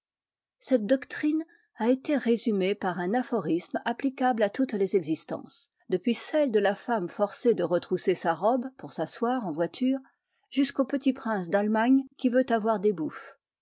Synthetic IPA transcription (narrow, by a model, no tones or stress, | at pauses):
sɛt̪̚d̪ɔkt̪χin | aet̪eʁezymepaʁɛ̃nafɔʁismaplikʲablat̪ut̪lezɛɡzist̪ɑ̰̃s | d̪əpɥisɛld̪əlafamfɔʁsed̪əʁət̪χusesaʁɔbpuʁsaswaʁɑ̃vwat̪ʰyːʁ | ʒyskopət̪ipχɛ̃sd̪almaɲkʲivøt̪avwaʁd̪ebuf